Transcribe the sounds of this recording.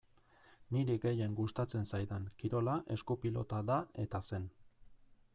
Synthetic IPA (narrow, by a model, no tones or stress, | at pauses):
niɾiɡe̞je̞ŋɡust̪at͡se̞nsajðaŋkiɾo̞laʔe̞skupilo̞t̪aðae̞t̪ase̞n